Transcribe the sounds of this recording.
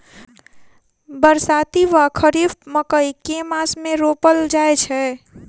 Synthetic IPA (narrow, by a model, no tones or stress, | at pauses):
bəɾsat̪iʋakʰəɾibməkəjkemasmeɾopəld͡ʒajt͡ʃʰɛ